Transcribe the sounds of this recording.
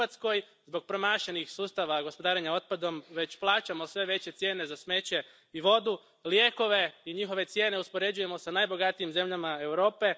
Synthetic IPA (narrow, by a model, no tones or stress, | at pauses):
at̪sko̞j | zbo̞ɡ̚pɾomaːʃenixsuːst̪aʋaɡo̞spo̞d̪aːɾeɲao̞t̪̚pad̪o̞mʋe̞t͡ɕplˠaːt͡ɕamo̞sʋe̞ʋe̞t͡ɕe̞t̪sje̞ːne̞zasme̞t͡ɕe̞ | iʋo̞d̪u | lje̞ko̞ʋe̞iɲixo̞ʋe̞t̪sje̞ːne̞uspoɾe̞d͡ʑuje̞mo̞sanajbo̞ɡat̪iimze̞mʎamae̞wɾo̞ːpe̞